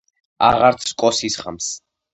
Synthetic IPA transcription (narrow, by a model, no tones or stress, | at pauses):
a̰ʁaɾt̪sʰkʼɔsisχams